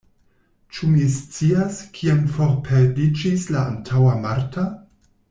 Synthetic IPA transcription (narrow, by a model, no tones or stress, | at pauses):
t͡ʃumist͡siaskʰiamfo̞ɾpʰeɾdid͡ʒislaantʰawamaɾta